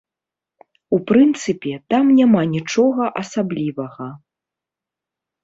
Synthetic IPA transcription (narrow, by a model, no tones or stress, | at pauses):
upɾɨnt̪sɨpʲɛt̪amnʲamanʲit͡ʂɔɣɐʔɐsablʲivɐɣɐ